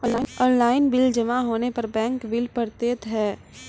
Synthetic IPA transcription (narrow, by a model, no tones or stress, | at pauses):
ɔːnlaːɪnbɪld͡ʒɐmaɦoːnepɐɾbɛ̃ːŋkbɪlpɐɾt̪eːt̪ɦɛː